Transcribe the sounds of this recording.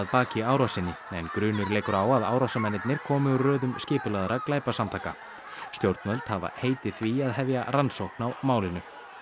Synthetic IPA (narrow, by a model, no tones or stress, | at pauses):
ðpaːcɪaːwɾasɪnːɪɛnkɾʏːnʏɾleːjkʏɾaːwaða̰ːwɾɔsamɛnːɪt̪nɪɾ̥kʰɔːmɪʏrœːðʏmscɪːpʏlaðɾaklaːjpasamt̪ʰaːjka̰ | st̪jowɾt̪nvœlt̪hava̰heːjt̪ɪθviaðɦɛvja̰ransowhknawmaːwlɪnʏ